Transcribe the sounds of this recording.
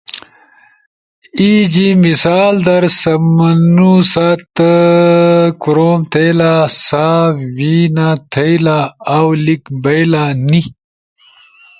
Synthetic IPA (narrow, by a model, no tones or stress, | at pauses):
id͡ʑimisaːld̪ɐɾsɐmɐnusat̪ | kuɾoːmt̪ʰejlasaːwinat̪ʰejlaawlikbɐjlani